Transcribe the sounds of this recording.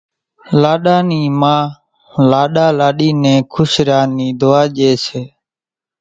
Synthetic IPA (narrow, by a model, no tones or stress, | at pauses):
laːɗaːniːmãː | laːɗaːlaːɗiːnẽːkʰʊsɾjaːniːd̪oːaːʄeːseː